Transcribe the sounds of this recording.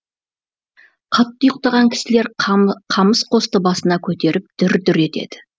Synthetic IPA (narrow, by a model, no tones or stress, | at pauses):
qʰɑt̪ːəjəq̚t̪ɑʁɑŋkʲʰɪ̥sɪle̞ɾqʰɑməsqʰo̞st̪əbɑsənɑkʲʰɵt̪e̞ɾɪp̚d̪̥ʏɾd̪ʏɾe̞t̪e̞̰d̪ɪ̥